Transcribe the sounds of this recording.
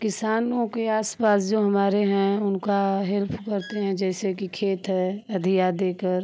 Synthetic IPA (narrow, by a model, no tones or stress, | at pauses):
kɪsaːnõkeaːspaːsd͡ʒoːɦɐmaːɾeɦɛ̃ʊnkaɦɛlpʰkɐɾt̪eɦɛ̃d͡ʒɛːsekikʰeːt̪ɦɛɐd̪ʱijad̪eːkəɾ